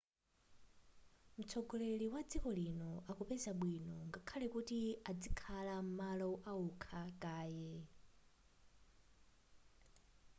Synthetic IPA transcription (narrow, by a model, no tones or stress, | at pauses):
mut͡sʰɔɡɔleliwad͡zikɔlinɔakɔpɛzaɓwinɔŋɡakʰalɛkutiad͡zikʰalam̩malɔʔaukʰakʼaːjɛ